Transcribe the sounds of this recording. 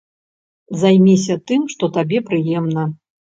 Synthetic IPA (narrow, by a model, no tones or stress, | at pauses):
zajmʲisʲɐt̪ɨmʂt̪ɔt̪abʲɛpɾɨjɛmnɐ